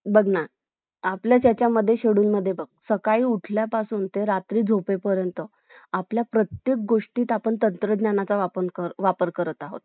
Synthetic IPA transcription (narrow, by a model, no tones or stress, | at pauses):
bəɡna | apljat͡ɕjat͡ɕjaməd̪ʱːjeɕeɽuːnməd̪ʱːjebəɡ̚səkaiːuʈʰljapasuːnt̪eɾat̪ɾiːd͡zʱopepəɾjənt̪ə | apljapɾət̪jek̚ɡoʂʈiːt̪apəɳt̪ənt̪ɾəd̪njanat͡saʋapənkəɾʋapəɾkəɾət̪aɦo̰t̪̚